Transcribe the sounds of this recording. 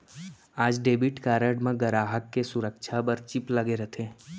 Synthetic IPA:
aːd͡ʒɖeːbɪʈkaːɾəɽmẽɡəɾaːɦəkːesʊɾəkʃʰabəɾt͡ʃɪplɐɡeɾət̪ʰẽː

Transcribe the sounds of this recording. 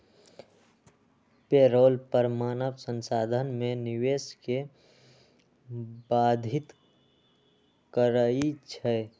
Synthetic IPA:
peːɾoːlpəɾmaːnəʋsənsaːd̪ʱənmẽnɪweːske | baːd̪ʱɪt̪ | kəɾəit͡ʃʰɛ

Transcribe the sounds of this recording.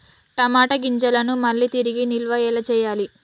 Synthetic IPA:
ʈɐmaːʈɐɡiɲt͡ʃɐlɐnumɐɭːit̪iɾiɡinilʋɐɛːlɐt͡ʃɛːjaːli

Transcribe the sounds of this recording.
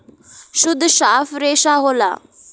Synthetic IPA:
ɕʊd̪ʱːɕaːfɾeɕaɦola̰

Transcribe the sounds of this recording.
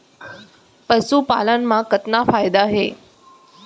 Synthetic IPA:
pəsuːpa̰lənmãkət̪nafaːjd̪aːɦe

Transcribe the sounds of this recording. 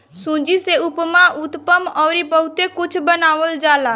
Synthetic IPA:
sũːd͡ʒiseʊpmãʔʊt̪pəmɔːɾibəɦʊt̪ekʊt͡ʃʰbənaːʋəld͡ʒaːlaː

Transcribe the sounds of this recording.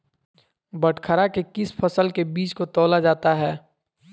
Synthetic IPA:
bəʈʰkʰəɾakekɪspʰəsəlkebiːt͡ʃkot̪ɔːlad͡ʒaːt̪aɦɛː

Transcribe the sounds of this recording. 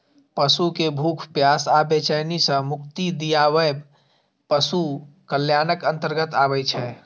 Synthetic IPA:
pəsukebʱukʰpjasabet͡ʃajnisə̃mʊkt̪id̪ijaʋəjb | pəsukəljanəkə̃nt̪əɾɡət̪aβɛjt͡ʃʰɛ

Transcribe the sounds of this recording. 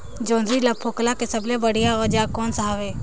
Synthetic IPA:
d͡ʒoːnd̪ɾiləpʰːoːklakesəblebəɽijaɔd͡ʒakɔːnsəɦaːʋeː

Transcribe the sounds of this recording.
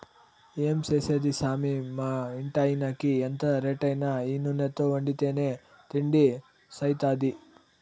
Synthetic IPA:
iemsesed̪isaːmimaiɳʈaːinakiɐnt̪ɐɾeʈɐjnɐiːnunet̪ːoʋɐɳɖit̪eːne | t̪iɳɖi | sɐjt̪aːd̪i

